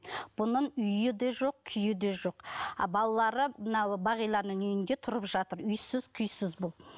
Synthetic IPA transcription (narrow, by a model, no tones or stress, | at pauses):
b̥ʊnəɴʏjɪd̪e̞ʒo̞q̚kʲʰʏjɪd̪eʒo̞qbɑlˠɑlˠɑɾəmənɑwbɑʁijlˠɑɾnəŋɵjɪnd̪e̞t̪ʰʊɾəpʒɑt̪əɾʏjsɪz̥kʲʰʏjsɪzbʊlˠ